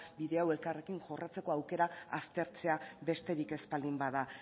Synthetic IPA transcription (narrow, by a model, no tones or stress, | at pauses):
biðe̞awe̞lkare̞kiŋʝo̞rat͡se̞ko̞awke̞ɾaast̪e̞ɾt͡se̞abe̞st̪e̞ɾike̞spald̪imbaða